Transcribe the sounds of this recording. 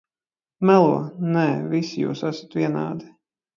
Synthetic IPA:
mælˠuɔnɛːvisijṵːsæsḁt̪vʲiɛna̰ːd̪i

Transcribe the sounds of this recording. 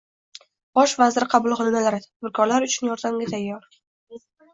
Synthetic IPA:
b̥ɒʃvazɪɾɪqʰɑbʊlˠqʰɨlˠnalaɾɪt̪ʰabɪɾkʰɒɾlaɾʊt͡ʃʰʊnjɒɾd̪amɡʲat̪ʰajːɒɾ

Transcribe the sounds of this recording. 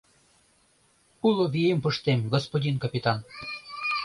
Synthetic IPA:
ulˠoβijempəʃt̪emɡospodʲinkɑpʲit̪ɑn

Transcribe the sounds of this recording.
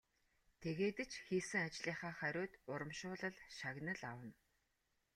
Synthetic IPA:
t̪ʰeɣeːt̪ɘ̆t͡ɕxiːsɘ̆ŋat͡ɕɮiːχaːχæɾʲʊːt̪ʊɾə̆mʃʊːɮə̆ɮʃaɣnə̆ɮawə̆n

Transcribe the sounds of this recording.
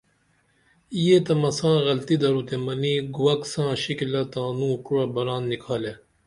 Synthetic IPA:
ijet̪ɐmɐsãːɣɐlt̪id̪ɐɾut̪emɐniɡuwɐksãːɕikilɐt̪ãːnũːʈuɽɐbɐɾaːnːikʰaːle

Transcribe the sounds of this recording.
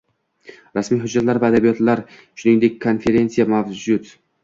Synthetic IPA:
ɾasmijɦʊd͡ʒːat̪laɾvaːd̪abijɒt̪laɾʃʊnɪŋd̪ekʲːʰo̞nfe̞ɾe̞nsijamavd͡ʒʊt̪

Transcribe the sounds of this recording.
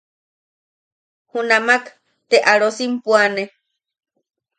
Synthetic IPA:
hunamak | t̪eʔaɺosimpwane

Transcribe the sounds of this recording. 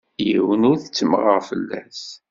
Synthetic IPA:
jiwənʊɾθət͡sːəməʁəʁfəlːæs

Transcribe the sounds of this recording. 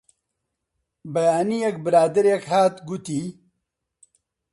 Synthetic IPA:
bɐjaːnijɛk̚bɨɾaːd̪ɨɾekhaːt̪ɡut̪iː

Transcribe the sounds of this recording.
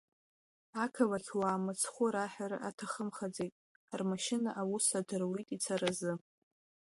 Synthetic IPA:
akʰalatʰwaːmɨt͡sʰχʷʊɾaħᶣaɾa̰ʔatʰaχəmχad͡zejtʼ | rmaʃɪnaʔawusadɨrwitʼit͡sʰaɾazɨ

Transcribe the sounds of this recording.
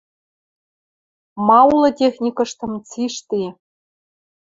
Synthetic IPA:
mɑulˠɤ̆tʲexʲnʲikɤ̆ʂt̪ɤ̆mt͡siʃt̪ʲi

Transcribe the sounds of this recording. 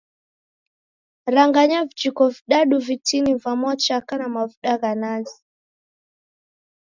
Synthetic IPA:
ɾaŋɡaɲavid͡ʒikɔviɗaɗuvitinivamɔt͡ʃakanamavuɗaɣanazi

